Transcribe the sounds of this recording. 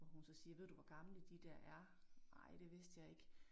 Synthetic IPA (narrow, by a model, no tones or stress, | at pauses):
ʋɒhunsɒ̽siːɐʋe̝ð̰ˠd̥uʋɒɡ̥ɑ̈mləd̥id̥æɐ̰ʔæɐ | ɑ̈ɪ̰d̥e̝ʋe̝sd̥jɑ̈ɪe̝ɡ̥